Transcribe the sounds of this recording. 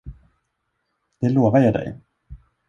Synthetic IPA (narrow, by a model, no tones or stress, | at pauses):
d̪̥ɛloːvajɑd̪ɛ̰j